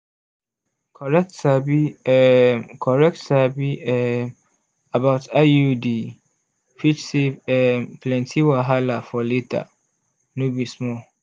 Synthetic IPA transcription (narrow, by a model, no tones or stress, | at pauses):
kʰɔɹɛk̚tsabi | kʰɔɹɛk̚tsabiɛ | abaʊtajudi | fit͡ʃseɛplɛ̃ntʰiwaɦalafɔletʰa̰ | nubismɔ